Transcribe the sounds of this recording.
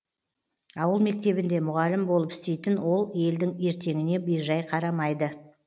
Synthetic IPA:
ɑwəlˠme̞k̚t̪e̞bɪnd̪e̞mʊʁɑlɪmbo̞lˠəpɪ̥st̪e̞jt̪ɪnwo̞lˠe̞ld̪ɪŋe̞ɾt̪e̞ŋɪne̞bijʒɑjqʰɑɾɑmɑjd̪ə

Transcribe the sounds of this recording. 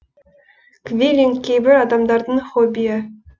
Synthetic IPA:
kvʲilʲiŋkʲʰejbɪɾɑd̪ɑmd̪ɑɾd̪əɴχobʲijə

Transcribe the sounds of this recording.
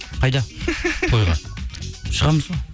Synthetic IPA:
qʰɑjd̪ɑpʰojʁɑ̰nʃəʁɑməzʁo

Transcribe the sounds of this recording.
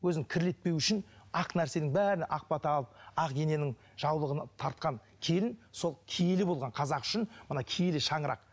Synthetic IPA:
wɵzɪŋkʲʰɪɾle̞t̪̚pe̞wʏʃɪnɑqnæɾse̞nɪŋbæɾɪnʔɑq̚pɑt̪əɑlˠəp̚ɑqɡʲe̞ne̞nɪŋ | ʒ̥ɑwlˠəʁənɑt̪ʰɑɾt̪̚qɑŋ | kʲʰe̞lɪnso̞lˠkʲʰejelɪbo̞lˠʁɑɴqʰɑzɑqʏ̥ʃɪnmənɑkʲʰejelɪʃɑɴəɾʔɑ̰q

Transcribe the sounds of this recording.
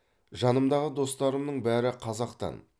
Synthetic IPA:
ʒɑnəmd̪ɑʁəd̪o̞st̪ɑɾəmnəɴbæɾɪqʰɑzɑqt̪ɑ̰n

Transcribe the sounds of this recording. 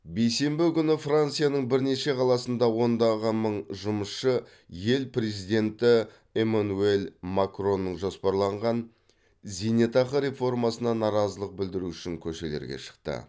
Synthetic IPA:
be̞jse̞mbɪkʲʏnɪfrant̪sijanəɴbɪɾne̞ʃe̞qʰɑlˠɑsənd̪ɑwo̞nd̪ɑʁəməɴʒʊməsʃə | je̞lpre̞zijd̪e̞nt̪ɪ | emanue̞lˠmakro̞nːəɴʒospɑɾlˠɑɴʁɑn | zʲinet̪ɑqəɾe̞fo̞rmɑsənɑnɑɾɑzəlˠəq̚bɪld̪ɪɾuʏʃɪŋkʲʰɵʃe̞leɾɡʲḛʃə̥qt̪ə̰

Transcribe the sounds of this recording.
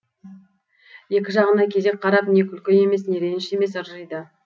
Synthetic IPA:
je̞kʲɪʒɑʁənɑkʲʰe̞ze̞k̚qʰɑɾɑpne̞kʲʰʏlkʲeje̞me̞sne̞ɾe̞nʃe̞me̞səɾʒəjd̪ə

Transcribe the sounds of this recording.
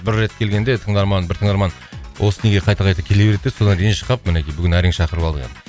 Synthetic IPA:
bɪɾːe̞t̪kʲʰe̞lɡʲe̞nd̪e̞t̪ʰəɴd̪ɑɾmɑnbɪɾt̪ʰəɴd̪ɑɾmɑn | wʔosəne̞ɡʲeqʰɑjt̪ɑqʰɑjt̪ɑpkʲʰelebe̞ɾet̪e̥so̞d̪ɑnd̪ejenʃə̥qɑpmɪnekʲijbʏɡʲɪnæɾeŋʃɑqəɾəpɑlˠd̪əʁɑ̰d̪

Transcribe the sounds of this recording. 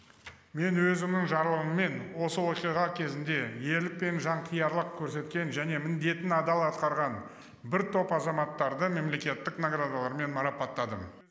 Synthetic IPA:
me̞nwɵzɪmnɪŋʒɑɾlˠəʁəmːe̞nwo̞səwo̞qijʁɑkʲʰe̞zɪnd̪e̞je̞lɪk̚pe̞nʒɑɴt̪ʰijɑɾlˠəq̚kʲʰɵɾse̞t̪̚kʲe̞nʒæne̞mɪnd̪e̞t̪ɪnɑd̪ɑlˠɑt̪qɑɾʁɑn | bɪɾt̪ʰo̞pɑzɑmɑt̪ːɑɾd̪əme̞mle̞kʲe̞t̪ːɪknoɡrad̪alˠɑɾme̞nmɑɾɑpɑt̪ːɑd̪əm

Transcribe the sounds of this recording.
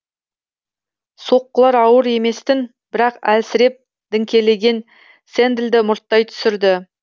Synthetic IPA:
so̞qːəlˠɑɾɑwəɾe̞me̞st̪ɪn | b̥ɪɾɑqælsɪɾe̞p̚ | d̪̥ɪŋkʲe̞le̞ɡʲe̞n | se̞nd̪ɪld̪ɪmʊɾt̪ːɑjt̪ʰʏ̥sɪɾd̪ɪ

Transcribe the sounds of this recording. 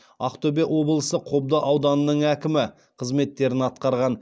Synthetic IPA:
ɑ̰qt̪ɵbeʔwo̞blˠəsəqʰo̞b̚d̪əʔɑwd̪ɑnənəɴækʲɪmɪ | qʰəzme̞t̪ːe̞ɾɪnɑt̪̚qɑɾʁɑn

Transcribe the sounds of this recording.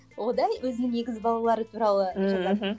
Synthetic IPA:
wo̞d̪ɑjwɵzɪnɪŋje̞ɡʲɪzbɑlˠɑlˠɑɾət̪ʰuɾɑlˠəʒɑɑ

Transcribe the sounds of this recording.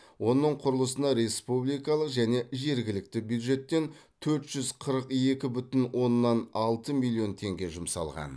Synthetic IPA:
wo̞nəɴqʰʊɾəlˠəsənɑɾe̞spublˠijkɑlˠəqʒæne̞ʒe̞ɾɡʲɪlɪk̚t̪ɪbjud̪ʒe̞t̪ːe̞nt̪ʰɵɾt̪ʒ̥ʏzqʰəɾəqje̞kʲɪbʏt̪ɪnwʔo̞nːɑnɑlˠt̪əmilʲˠːio̞nt̪ʰe̞ŋɡʲe̞ʒʊmsɑ̰lˠʁɑ̰n

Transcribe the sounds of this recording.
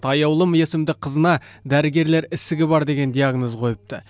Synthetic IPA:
t̪ʰɑjɑwlˠəme̞sɪmd̪ɪqʰəzənɑd̪æɾɪɡʲe̞ɾle̞ɾɪsɪɡʲɪbɑɾd̪e̞ɡʲe̞nd̪ijaɡnozqʰo̞jəp̚t̪ə

